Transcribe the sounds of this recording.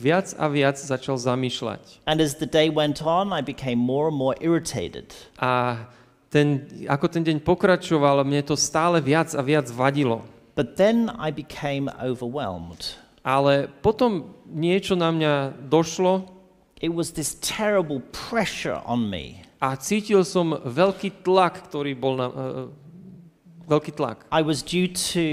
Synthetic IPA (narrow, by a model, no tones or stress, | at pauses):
ʋɪad͡za̰ʋɪad͡zzat͡ʃalzamiːʃla̰cə̃nɨzðɨdeɪwɛ̃ntʰn̩aɪbɨkʰẽɪ̃mːɔɹə̃nmɔɹʔɪɹɨtʰeɪɾɪ̰d̥ʔa | t̪ɛnakɔt̪ɛnɟɛɲpɔkɾat͡ʃɔʋalmɲɛt̪ɔst̪aːlɛʋɪad͡zaʋɪad͡zʋaɟilɔ | b̥ʌt̪̚ðɨ̃na̰ɪbɨkʰẽɪ̃mo̰ʊvə˞wɛ̰lˠmd̥ | ʔalɛpɔt̪ɔmɲɪɛt͡ʃɔnamɲad̪ɔʃlɔ | ʔɪt̚wʌzðɪstʰɛɹəbl̩ˠpʰɹ̥ɛʃə̰˞ʔə̰̃nmḭat͡siːcilsɔmʋɛʎkiːt̪lakːt̪ɔɾiːbɔlna | ʋɛlkiːt̪la̰kaɪwʌzdʉtɨ